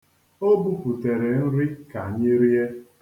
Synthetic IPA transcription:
o˦bu˦pu˨te˨ɾe˨n̩˦ɾi˦ka˨ɲɪ˦ɾi˦e˦

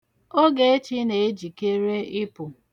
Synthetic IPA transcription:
o˦ɡe˨e˦t͡ʃi˦ne˨e˦d͡ʒi˨ke˦ɾe˦ɪ˦pʊ˨

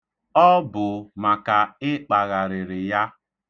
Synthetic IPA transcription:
ɔ˦bʊ˨ma˨ka˨ɪ˦k͡pa˨ɣa˨ɾɪ˨ɾɪ˨ja˦

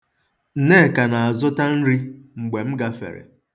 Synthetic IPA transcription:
n̩˨ne˦˨ka˨na˨a˨zʊ˦ta˦n̩˦ɾi˦ŋ͡m̩˨ɡ͡be˨m̩˦ɡa˦fḛ˨ɾḛ˨

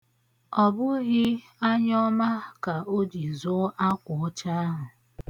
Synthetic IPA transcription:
ɔ˨bʊ˦ɣɪ˦ | a˦ɲɔ˦ma˦ka˨o˦d͡ʒi˨zʊ˦ʔa˦kʷʊ˨ʊ˦t͡ʃa˦ɦʊ˨

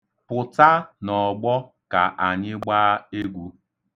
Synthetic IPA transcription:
pʊ˨ta˦nɔ˨ɡ͡bɔ˦ | ka˨ʔa˨ɲɪ˦ɡ͡baː˦e˦ɡʷu˦

